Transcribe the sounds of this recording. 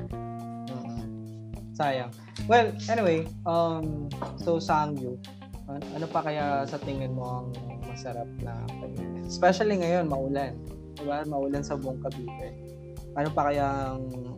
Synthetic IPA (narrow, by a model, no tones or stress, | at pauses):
oʔo | saːjɐŋ | wɛlʔɛnɪwejʔɐmsowsɐʔɐŋju | ʔɐʔɐno̞pɐkɐjasɐt̪ɪŋɪnmo̞ʔɐŋmɐsɐɾap̚nɐ̰pɐmḭspɛʃɐliŋɐjo̞nmɐʔuːlan | d̪ɪbamɐʔuːlansɐbʊʔoŋkɐbiːt̪ɛ | ʔɐnopɐkɐjaʔɐŋ